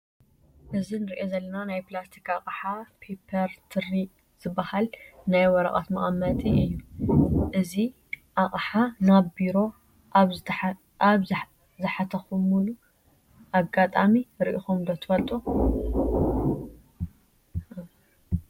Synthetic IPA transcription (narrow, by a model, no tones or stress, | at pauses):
ʔɨzinɨɾiʔo̞zɐlːɐnanajplast̪ʰikʰaχʼħapʰepʰɐɾt̪ʰɨrːi | z̥ɨbːɐhalnajwɔɾɐ̰χʼa̰t̪mɐχʼmɐt̪ʼiʔɨjːuʔɨzi | ʔaχʼħanabiɾo̞ | ʔaβ | ʔaβ | zɨħat̪ʰɐxumːulu | ʔaɡat̪ʼamiɾiʔixumd̪ɐt̪ʰɨfɐlt̪ʼu